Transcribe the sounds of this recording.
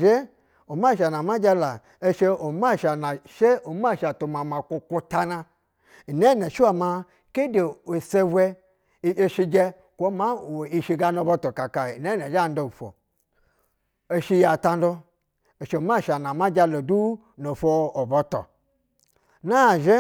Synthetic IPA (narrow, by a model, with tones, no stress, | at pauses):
ʒe˦ | o˨ma˦˨ʃa˨n˨a˨ma˦d͡ʒa˧la˨ | e˧ʃe˧o˨ma˦˨ʃa˨na˨ʃe˦o˨˦m˦a˦˨ʃa˨tu˨ma˨ma˨kʷu˧kʷu˧ta˧na˧ | i˨ne˦˨nɛ˨ʃi˦wa˨ma˧ | ke˦de˨o˨se˧wʷɛ˧˦ | e˧ʃi˧d͡ʒɛ˧ | kʷo˦ma˦˨wo˨i˧ʃi˧ɡa˧no˧bɔ˧tɔ˨ka˨ka˨i˨ne˦nɛ˨ʒa˦˨n˦do˧u˨fo̰˨ | e˧ʃi˧ja˨ta˧n˦do˧ | e˨ʃe˧o˨m˦a˦˨ʃa˨na˨ma˦d͡ʒa˧lo˨du˦ | no˨fo˧o˨bɔ˧tɔ̰˨ | na˦˨ʒe˦